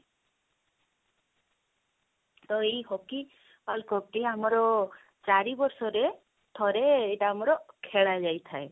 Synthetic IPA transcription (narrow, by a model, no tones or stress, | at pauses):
t̪ɔeɦɔki | palkɔk̚ʈiamɔɾɔ | t͡ʃaɾibɔɾsɔɾe | t̪ʰɔɾeːʈaːmɔɾɔkʰeɭad͡ʒajt̪ʰae